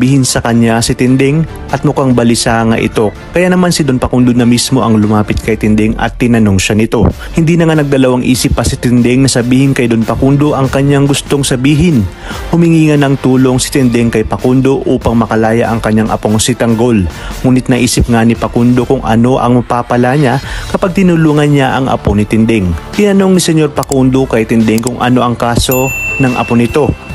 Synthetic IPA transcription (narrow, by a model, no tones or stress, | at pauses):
biːhɪnsɐkɐɲːasɪt̪ɪnd̪ɛŋ | ʔɐt̪̚mʊkaŋbɐlɪsaːŋaʔɪ̰t̪o̞ | kɐjanɐmansɪd̪onpɐkund̪onɐmismo̞ʔɐŋlʊmaːpɪt̪̚kɐjt̪ɪnd̪ɛŋʔɐ̰t̪ːɪnɐno̞ŋʃanɪt̪o̞ | hɪnd̪iːnɐŋanɐɡ̚d̪ɐlɐwaŋʔiːsɪpːɐsɪt̪ɪnd̪ɛŋnɐsɐbiːhɪnkɐjd̪onpɐkund̪o̞ʔɐŋkɐɲaŋɡʊst̪o̞ŋsɐbiːɦɪn | hʊmɪŋiːŋɐnɐŋt̪uːlo̞ŋsɪ̥t̪ɪnd̪ɛŋkɐjpɐkund̪o̞ʔuːpɐŋmɐkɐlaːjɐ̰ʔɐŋkɐɲːaŋʔɐ̰poŋsɪt̪ɐŋɡo̞lmuːnɪt̪̚nɐʔiːsɪp̚ŋanɪpɐkund̪o̞kʊŋʔɐ̰no̞ʔɐ̰ŋmɐpaːpɐlaɲakɐpaɡ̚t̪ɪnʊluːŋɐnɲaʔɐŋɐ̰ponɪt̪ɪnd̪ɛŋt̪ɪnɐno̞ŋnɪsɛɲo̞ɾpɐkund̪okɐjt̪ɪnd̪ɛŋkʊŋʔɐ̰no̞ʔɐŋkaːso̞nɐŋʔɐ̰ponɪt̪o̞